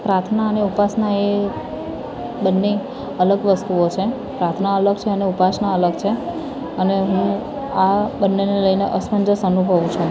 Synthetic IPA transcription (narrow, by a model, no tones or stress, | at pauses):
pɾat̪ʰnaəneupasnae | bənːe | ələɡʋəst̪uot͡ʃʰe | pɾat̪ʰnaələɡ̚t͡ʃʰeəneupasnaələɡt͡ʃʰe | əneɦũ | abənːeneləjneʔəsməɲd͡ʒəsənubʱəʋũt͡ʃʰũ